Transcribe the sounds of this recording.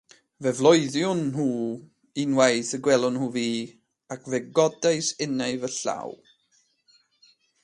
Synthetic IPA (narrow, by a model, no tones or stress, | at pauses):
vɛvlˠɔɨðjʊnhuː | inweɨθəɡwɛlˠʊnhuːviː | akʰvɛɡɔdaɨsɪnɛɨvəɬa̰w